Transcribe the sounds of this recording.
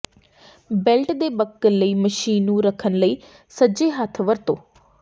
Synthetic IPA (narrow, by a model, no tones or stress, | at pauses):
bɪlʈd̪eːbəkːənləiːməʃiːnːũːɾəkʰənləiː | səd͡ʒeːɦət̪ʰʋəɾt̪õː